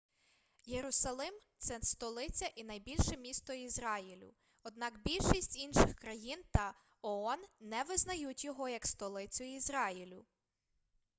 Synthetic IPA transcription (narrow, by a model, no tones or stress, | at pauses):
jeɾʊsɐlˠɪmt̪sɛst̪ɔlˠɪt͡sʲɐʔinɐjbʲilʲʃɛmʲist̪ɔizɾɑjilʲʊ̰ | ɔd̪nɑkbʲilʲʃisʲtʲinʃɪxkɾɐjint̪ɐ | ɔɔnːɛʋɪznɐjutʲjɔɦɔjɐkst̪ɔlˠɪt͡sʲʊizɾɑjilʲʊ